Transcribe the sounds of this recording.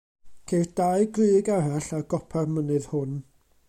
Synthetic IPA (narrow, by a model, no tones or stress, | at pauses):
kʰejrd̥aɨɡrɨːɡaraɬaɡɔpʰarmənɨð̥hʊn